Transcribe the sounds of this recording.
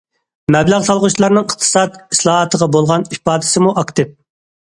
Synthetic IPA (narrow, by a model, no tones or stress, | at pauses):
mɛblæʁsɑlˠʁʊt͡ʃʰilˠɑɾnɨŋəχt̪ʰɨ̥sɑd̪islˠɑɦɑt̪ʰəʁɑbolˠʁɑnipɑːd̪ɪ̥sɨmuʔɑkt̪ʰɨp̚